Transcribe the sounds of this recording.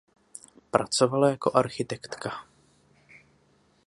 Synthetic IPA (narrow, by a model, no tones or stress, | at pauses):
pɾat͡sovalajako̞ʔaɾxɪt̪ɛkt̪ka